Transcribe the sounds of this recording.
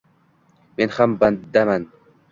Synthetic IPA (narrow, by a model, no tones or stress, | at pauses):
menhamband̪aman